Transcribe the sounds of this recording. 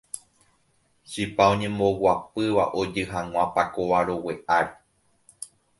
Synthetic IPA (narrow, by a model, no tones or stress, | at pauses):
ʃipaõɲẽ̞mbo̞wapɨʋaʔo̞d͡ʒɨɦãŋ̃ʷãpakoʋaɾo̞we̞ʔaɾe